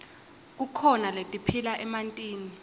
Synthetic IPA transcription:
k̬ukʰɔnaletʼipʰilaʔɛmantʼiːni

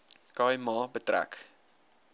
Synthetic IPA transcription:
kɑːjmɑːbətɾæ̰k

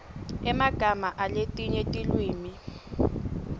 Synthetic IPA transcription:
ɛmaɡ̥ʱamaʔaletʼiɲetʼilwiːmi

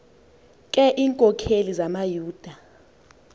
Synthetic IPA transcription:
kʼɛʔiːŋkʼɔkʰelizamajuːd̥ʱa

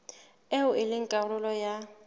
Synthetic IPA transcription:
eʊɪlɪŋ̩kʼalʊlɔja

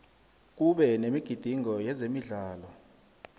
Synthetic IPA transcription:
k̬uɓɛnemiɡ̥ʱid̥ʱiŋɔjɛzemiɮaːlɔ

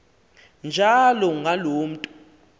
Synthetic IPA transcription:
nd͡ʒʱalɔŋɡʱaloːm̩tʼu

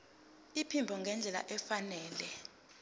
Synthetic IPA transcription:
ipʰimbʱɔŋɡʱɛnd͡ɮʱɛla̰ʔɛfanɛːlɛ

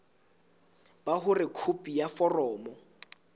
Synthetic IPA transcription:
b̥aɦʊrɪkʰupʼijafɔrɔːmɔ

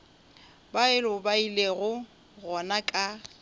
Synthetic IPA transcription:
baɪlʊbaileɣʊ | ɣɔnakʼa

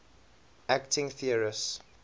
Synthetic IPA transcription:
ʔæktʰɪ̃ŋθiəɹɪs

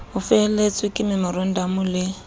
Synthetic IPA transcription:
ʊfɛlet͡sʼwɪkʼɪmɪmɔɾɔn̩damʊlɪ

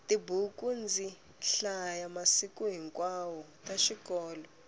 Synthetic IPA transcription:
tʼibukʼund͡zʱi | ɬajamasikʼuɦiŋkʼwawɔ | tʼaʃikɔːlɔ

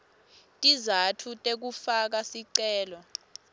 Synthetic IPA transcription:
tʼizatʰutʼek̬ufak̬asiǀɛːlɔ

